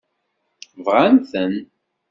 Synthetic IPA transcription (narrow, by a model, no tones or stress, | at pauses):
vʁanθən